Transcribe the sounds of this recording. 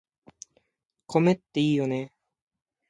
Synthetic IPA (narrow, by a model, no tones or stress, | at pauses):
kʰomet̪ːeiːjone